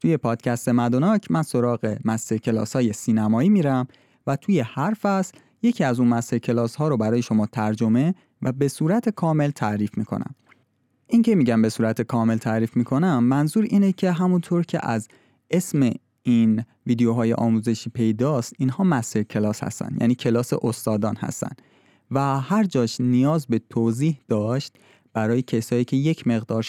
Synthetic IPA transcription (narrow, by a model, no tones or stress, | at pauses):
t̪ʰuːje̞pʰɒːd̪̥cʰæst̪e̞mæd̪onɒːcʰmʔænso̞ɾɒːɣe̞mæst̪eɾcʰe̞lɒ̰ːshɒːje̞siːnæmɒːiːmiːɾæm | væt̪ʰuːje̞hæɾfæsl | je̞cʰiːæzuːnmæst̪eɾcʰe̞lɒːshɒːɾobæɾɒːje̞ʃo̞mɒːt̪ʰæɾd͡ʒo̞me̞ | væbe̞suːɾæt̪ʰe̞kʰɒːme̞lt̪ʰæʔɾiːfmiːkʰo̞̰næ̰m | ʔincʰe̞miːɟæmbe̞suːɾæt̪ʰe̞kʰɒːme̞lt̪ʰæɾiːfmiːkʰo̞næmːænzuːɾiːnecʰe̞ɦæmunt̪ʰoːɾcʰe̞̰ʔæz | e̞sme | in | viːd̪ejoɦɒːjḛʔɒːmuːze̞ʃiːpʰe̞jd̪ɒːst̪ʔiːnhɒːmæseɾcʰe̞lɒːshæ̰st̪æ̰nd̪jʔæ̰ːniːcʰe̞lɒːsḛʔost̪ɒːd̪ɒːnhæ̰st̪æ̰nd̪ | væhæɾd͡ʒɒːʃnijɒːzbe̞t̪ʰoːziːhd̪̥ɒːʃt̪̚ | b̥æɾɒːjecʰesɒːiːcʰeje̞cʰme̞ɣd̪ɒːɾ